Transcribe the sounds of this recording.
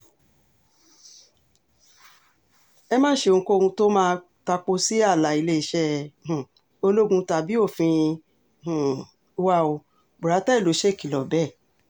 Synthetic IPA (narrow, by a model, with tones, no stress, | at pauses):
ɛ˧mãː˦ʃẽ˧˨˧ko˦o˧ũ˧to˦mãː˦˧ | ta˧k͡po˧si˦a˦˨la˨i˧le˦i˧˨ʃɛ̃˦˨ | o˧lo˦ɡũ˧ta˧˨bi˦o˦˨fĩ˧˨˧ | wa˦o˧ | bu˨ɾa˨˦tɛ˦˨lo˨˦ʃɛ˦˨ki˨lɔ˨bɛ˦˨